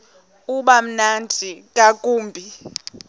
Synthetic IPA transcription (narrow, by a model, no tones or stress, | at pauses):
uɓam̩nandʱikʼakʼuːmbʱi